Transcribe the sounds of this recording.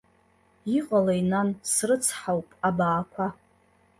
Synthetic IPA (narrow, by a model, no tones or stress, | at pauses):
iqʼalajnansrɨt͡sʰħawpʼabaːkʷʰa